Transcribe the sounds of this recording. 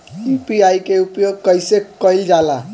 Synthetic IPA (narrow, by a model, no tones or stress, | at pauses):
ipiajkeupjoɡ̚kʌjsekʌjld͡ʒala